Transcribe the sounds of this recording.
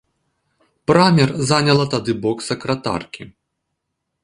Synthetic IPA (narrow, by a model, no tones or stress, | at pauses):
pɾamʲɛrzanʲɐlˠɐt̪ad̪ɨbɔksɐkɾɐt̪a̰rkʲi